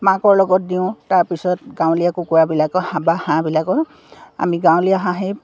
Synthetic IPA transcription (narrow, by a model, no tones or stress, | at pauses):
mãkɔɹlɔɡɔt̚diʊ̃taɹpisɔtɡaw̃lijakukujabilakɔhãbahãbilakɔ | a̰miɡaw̃lijaɦãɦej